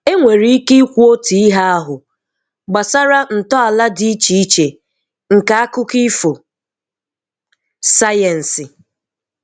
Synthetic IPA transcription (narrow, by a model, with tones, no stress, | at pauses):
e˦ŋʷe˨ɾi˦i˦ki˦kʷu˦o˦ti˨i˦ɦa˦a˦ɦʊ˨ | ɡ͡ba˨sa˦ɾa˦n̩˨tɔ˦a˨la˦di˦i˦t͡ʃi˨i˦t͡ʃe˨ | ŋ̩˨ka˨˦a˦kʊ˦ki˦fo˨ | sa˦jɛ˨n̩˨sɪ˨